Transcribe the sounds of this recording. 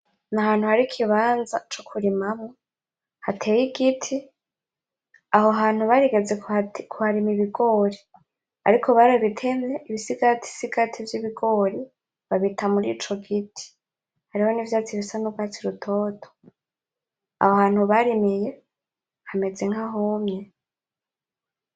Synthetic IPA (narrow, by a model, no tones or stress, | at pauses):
nahaːn̥huhaɾikʰiβaːnzat͡ʃokʰuɾimamo | hatʰe̞ːjiɡitʰi | ahoɦaːn̥huβaɾiɡe̞d͡zekkʰuhaɾimiβiɡo̞ɾi | a̰ɾikʰo̞βaɾaβitʰe̞meʔiβisiɡatʰi̥siɡatʰivjiβiɡo̞ːɾi | βaβitʰamuɾḭːt͡ʃo̞ɡitʰi̥ | haɾiho̞nivjaːt͡siβisanubɡat͡siɾutʰo̞ːtʰo̥ | a̰hohaːn̥huβaɾimije̞ | hame̞d͡ze̞ŋhaɦomɲe